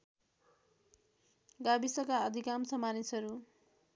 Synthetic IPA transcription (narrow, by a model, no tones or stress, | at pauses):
ɡabisʌkaʌd̪ʱikamsʌmanisʌɾu